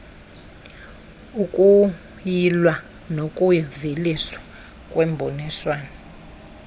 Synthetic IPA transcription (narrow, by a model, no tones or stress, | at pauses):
ukʼu | jilwa | nokʼujiviliswḁ | kʼwɛmbʱoniswaːna